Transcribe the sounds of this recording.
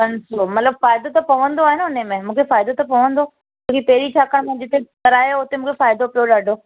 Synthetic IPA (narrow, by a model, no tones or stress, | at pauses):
kɐnsoːmɐt̪ləbfaːɪd̪ot̪ɐpɐʋə̃nd̪oaːɦɪnʊnemẽmũːkʰefaːɪd̪ot̪ɐpɐʋə̃nd̪o | ɐ̃ːkʰipɐɦɪɾit͡ɕʰaːkəɽ̃mɐ̃ɪ̃ɲd͡ʑɪt̪ekɐɾaːjoʊt̪emũːkʰefaːɪd̪opijoɗaːɖʱoː